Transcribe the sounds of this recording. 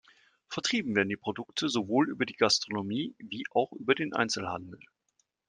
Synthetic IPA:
fɛɐtʁ̥iːbm̩veːɐdn̩diːpʁ̥odʊktʰəzovoːlʔy̰ːbɐdiːɡastʁ̥onomiːviːʔaʊxʔyːbɐdeːnʔa̰ɪnt͡sl̩ha̰ndl̩

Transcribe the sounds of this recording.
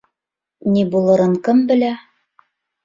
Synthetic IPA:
nibulˠɤ̆ɾɤɴkɘmbɘ̆læ

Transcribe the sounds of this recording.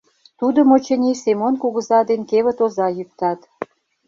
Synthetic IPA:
t̪ud̪ə̆mot͡ɕə̆nʲisemonkuɣə̆zɑd̪enkeβə̆t̪ozɑjyk̚t̪ɑt̪

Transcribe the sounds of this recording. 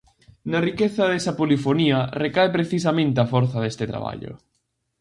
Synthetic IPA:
nɐrikeθɐðesɐpolifoniɐrekaepɾeθis̬ɐmẽnt̪eafɔɾθɐðest̪ɪt̪ɾa̰β̞a̰ʎʊ̰

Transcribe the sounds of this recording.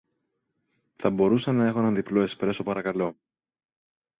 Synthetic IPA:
θɐbo̞ɾusɐnːɐe̞xonɐnðiploespɾest̪o̞pɐɾɐkɐlo̞

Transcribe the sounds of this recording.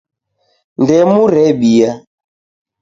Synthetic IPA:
ndɛmuɾɛɓija

